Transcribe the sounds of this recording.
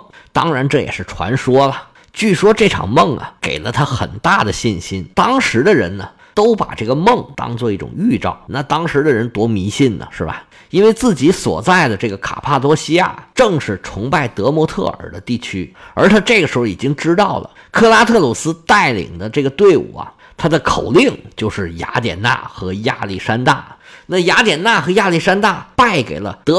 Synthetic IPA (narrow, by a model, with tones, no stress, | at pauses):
t̪ɑ˥ŋɻa˧˥nʈ͡ʂɤ˥˩jɛ̰˨˩ʂɻ̩˥˩ʈ͡ʂʰwa̰˧˥nʂwɔ˥lɐ˨˩ | t͡ɕy˥˩ʂwɔ˥ʈ͡ʂɤ˥˩ʈ͡ʂʰɑ̰˨˩ŋmɤ˥˩ŋɐ̰˩kḛ˨˩ɪlə˦t̪ʰa˥xə˨˩nt̪a˥˩d̪ə˩ɕi˥˩nɕi˥nt̪ɑ˥ŋʂɻ̩˧˥d̪ə˧ɻə̰˧˥nnə˧ | t̪o˥ʊpa̰˨˩ʈ͡ʂɤ˥˩ɡə˩mɤ˥˩ŋt̪ɑ̰˥ŋt͡swɔ˥˧i˥˩ʈ͡ʂʊ̰˨˩ŋy˥˧ʈ͡ʂɑ̰˥˩ʊna˥˩t̪ɑ˥ŋʂɻ̩˧˥d̪ə˧ɻə˧˥nt̪wɔ˧˥mi˧˥ɕi˥˩nd̪ə̰˩ʂɻ̩˥˩ba̰˩ɪ | i˥nwe˥˧ɪt͡sɹ̩˥˩t͡ɕi˧˥swɔ̰˨˩t͡sa˥˩ɪd̪ə˩ʈ͡ʂɤ˥˩ɡə˩kʰa̰˨˩pʰa˥˩t̪wɔ˥ɕi˥ja̰˥˩ʈ͡ʂɤ˥˧ŋʂɻ̩˥˩ʈ͡ʂʰʊ˧˥ŋpa˥˩ɪt̪ɤ˧˥mwɔ˧˥t̪ʰɤ̰˥˩ə̰˞˨˩d̪ə˦t̪i˥˩t͡ɕʰy˥ə˞˧˥t̪ʰa˥ʈ͡ʂɤ˥˩ɡə˩ʂɻ̩˧˥xo˧i˨˩t͡ɕi˥ŋʈ͡ʂɻ̩˥t̪ɑ˥˩ʊlə̰˩ | kʰɤ˥˧la˥t̪ʰɤ˥˩lu˨˩sɹ̩˥t̪a˥˩ɪlḭ˨˩ŋd̪ə˦ʈ͡ʂɤ˥˩ɡə˩t̪we˥˩ɪṵ˨˩ɐ̰˩ | t̪ʰa˥d̪ə˨kʰo˨˩ʊli˥˩ŋt͡ɕjo˥˧ʊʂɻ̩˥˩ja̰˧˥t̪jɛ̰˨˩nna̰˥˩xɤ˧˥ja̰˥˧li˥˩ʂa˥nt̪a̰˥˩na˥˩ja˧˥t̪jɛ˨˩nna˥˩xɤ˧˥ja˥˧li˥˩ʂa˥nt̪a˥˩pa˥˩ɪkḛ˨˩ɪlə̰˦t̪ɤ˧˥